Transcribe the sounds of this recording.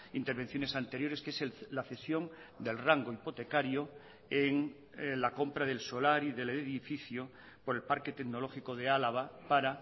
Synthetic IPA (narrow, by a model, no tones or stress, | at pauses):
int̪eɾβ̞e̞n̟θjo̞ne̞sant̪e̞ɾjo̞ɾeskeselaθe̞sjo̞ŋ | d̪e̞lraŋɡoipo̞t̪e̞kaɾjo | eŋ | lako̞mpɾaðe̞lso̞laɾiðe̞leeðifiθjo | po̞ɾe̞lpaɾke̞t̪eɡno̞lo̞xikoð̞ealaβ̞apaɾa